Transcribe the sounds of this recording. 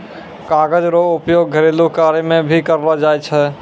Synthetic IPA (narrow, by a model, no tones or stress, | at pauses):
kaːɡəd͡ʒɾoːʊpjoːɡɡʱəɾeːlokaːɾjəmẽbʱikɐɾlad͡ʒaːjt͡ʃʰɛ